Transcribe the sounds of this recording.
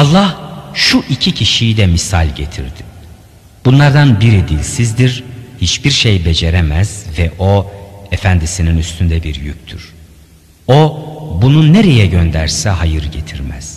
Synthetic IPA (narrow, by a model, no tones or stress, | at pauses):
ɑlˠːahʃuʔicʰicʰiʃijd̪ɛmisa̰lʲɟet̪ʰḭɾd̪̥i̥ | b̥unlˠaɾd̪anbiɾid̪ilʲsizd̪iɾhit͡ʃbiɾʃe̞jbe̞d͡ʒe̞ɾemæz̥vɛʔoefænd̪isininyst̪ʰynd̪ɛbiɾjyc̚ʲt̪ʰyɾ̥ | obununeɾe̞jɛɟønd̪æɾsɛɦajɯɾɟet̪ʰiɾmæ̰z̥